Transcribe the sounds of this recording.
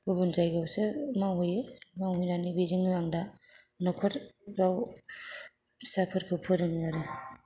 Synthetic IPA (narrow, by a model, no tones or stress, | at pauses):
ubunzajɡawsɯmawɦɯjmawɦɯjnanibiziŋɯaŋda | nɔkʰɔɾɾaw | sapʰɯɾkʰɯpʰɯɾɯŋjaɾɯ